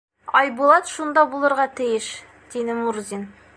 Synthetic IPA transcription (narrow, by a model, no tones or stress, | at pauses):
ɒjbulˠɑt̪ʃund̪ɑbulˠɤ̆ɾʁɑt̪ɘ̆jɘʃ | d̪̥id̪ɘmuɾzʲin